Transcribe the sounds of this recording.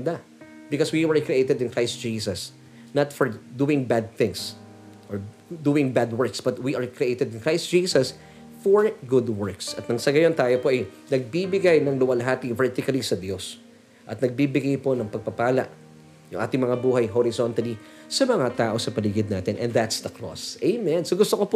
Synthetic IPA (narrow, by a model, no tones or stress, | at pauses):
d̪a | bɪkoswiwɛɹkɾɪʔejt̪ɛd̪ɪnkɹajst̪̚d͡ʒiːsɐs | nɐt̪fɔɹd̪uɪŋbad̪̚θɪ̃ŋs | ʔoɹ | d̪uːɪ̃ŋbad̪wɛɹksb̥ɐt̪wiʔɐɹkɾɪʔejt̪ɛd̪ɪnkɹajst̪̚d͡ʒ̥iːsɐs | fɔɹɡʊd̪wɛɹksɐt̪̚nɐŋsɐɡɐjo̞nt̪aːjopoʔɐjnɐɡ̚bibɪɡajnɐŋlʊwɐlɐɦaːt̪ivɛɹt̪ɪkɐlisɐd̪jo̞s | ʔɐt̪̚nɐɡ̚bibɪɡajpo̞nɐŋpɐɡ̚pɐpaːlɐ̰ʔ | jʊ̰ŋʔa̰ːt̪ɪŋmɐŋabuːhɐjɦoɾɪsont̪ɐli | sɐmɐŋat̪aːʔo̞sɐpɐlɪɡɪd̪naːt̪ɪnʔɛ̰̃nðat̪sd̪ɐklo̰sʔejmɛ̃nsoɡʊst̪okopo